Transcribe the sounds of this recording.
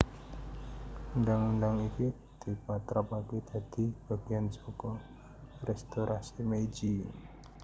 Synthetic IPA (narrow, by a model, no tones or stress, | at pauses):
ndaŋndaŋiki | d̪̥i̤pat̪ɾapaked̪̥a̤d̪̥i̤b̥a̤ɡ̥i̤ansɔkɔ | rɛst̪oɾʔasimed͡ʒi